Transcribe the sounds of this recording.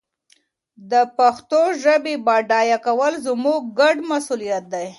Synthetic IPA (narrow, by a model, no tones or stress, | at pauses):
d̪əpaxt̪oʒəbebɑɖɑjakawəlzmuɡ̚ɡaɖmasulijat̪̚d̪aj